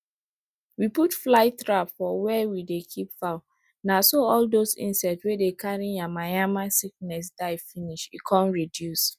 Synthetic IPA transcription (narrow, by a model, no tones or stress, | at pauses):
wiputflaɪtɹapfɔwɛwidekʰipfaʊ | nasoɔldozḭ̃nsɛtswedekʰaɹiamajamasik̚nɛs̬daɪfiniʃikʰɔ̃nɹidjus